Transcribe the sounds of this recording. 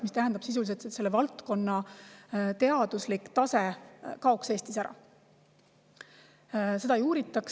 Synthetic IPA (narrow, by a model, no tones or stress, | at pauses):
mist̪æɦænd̪̥ɑb̥sis̬uliset̪set̪se̞lːevɑlt̪ko̞nːɑ | t̪e̞ɑd̪̥uslikˑt̪ɑse̞kɑo̞kse̞ːst̪isæɾɑ̰ | se̞d̪ɑejuːɾit̪ːˑɑks